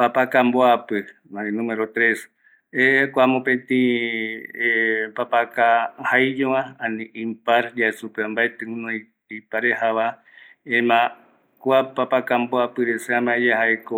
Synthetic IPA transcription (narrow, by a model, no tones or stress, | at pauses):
papakamboapɨ | maẽnũmeɾot̪ɾes | ekʷamõpẽt̪ĩ | epapakahajd͡ʒoããnĩʔĩmpaɾjaesupeambaet̪ɨ̃ŋũnõĩ | ipaɾehaβa | emã | kʷapapakamboapɨɾeseãmãejahaeko